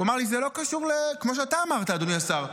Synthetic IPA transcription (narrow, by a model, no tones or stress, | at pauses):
amaʁlizelo̞kaʃuʁlekmoʃ̬eat̪aːmaʁt̪aːd̪oniasaʁ